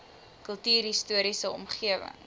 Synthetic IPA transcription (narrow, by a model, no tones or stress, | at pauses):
kəlˠtyːrɦistuəɾisəɔmχiəvə̰ŋ